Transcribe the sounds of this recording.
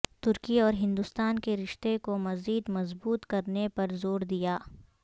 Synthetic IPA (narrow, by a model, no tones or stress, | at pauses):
t̪ʊɾkiɔːɾɦɪ̃nd̪ʊst̪aːnkeɾɪʃt̪ekomɐziːd̪mɐzbuːt̪kɐɾnepɐɾzoːɾd̪ijaː